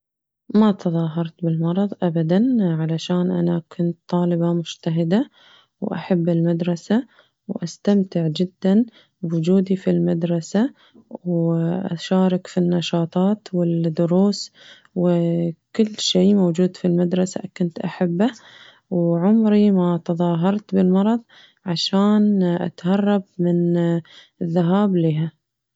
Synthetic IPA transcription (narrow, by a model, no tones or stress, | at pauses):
mat̪ɨðˤɑːɦɑɾˤt̪bɪlmɑɾˤɑðˤʔabad̪anʕalaʃaːnʔanakʰʊnt̪t̪ˤːɑːlɪbamʊd͡ʒt̪aɦɪd̪a | wʔa̰ħabːɪlmad̪ɾˤɑsa | wʔast̪amt̪ɪʕd͡ʒɪd̪ːan | wʊd͡ʒuːd̪ifilmad̪ɾˤɑsa | wʔa̰ʃaːɾˤɑkfinːɑʃɑːt̪ˤɑːt̪wɪd̪ʊɾuːs | wkɪlːʃeːmowd͡ʒuːd̪filmad̪ɾˤɑsa̰kʊnt̪ʔaħabːa | wʕʊmɾimat̪ɑðˤɑːɦɑɾˤt̪bɪlmɑɾˤɑðˤ | ʕaʃaːnʔa̰t̪hɑrˤːɑb̚mɪn | ɪðːaɦaːbliːɦa